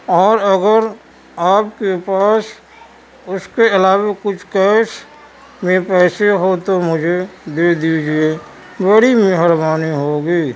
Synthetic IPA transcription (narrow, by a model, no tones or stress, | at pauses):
ɔːɾəɡəɾ | aːp̚kepaːs | ʊskeɪlaːwakʊt͡ʃʰkɛːs | mẽpɛːseɦot̪omʊd͡ʒʱed̪eːd̪iːd͡ʒie | bəɽimɛɦəɾbaːniɦoɡiː